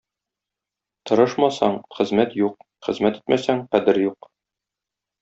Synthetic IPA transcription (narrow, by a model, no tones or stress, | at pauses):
t̪ɤ̆ɾɤʃmɑsɑɴχɘ̆zmæt̪juq̚ | χɘ̆zmæt̪i̥t̪mæsæɴqæd̪ɘɾjuq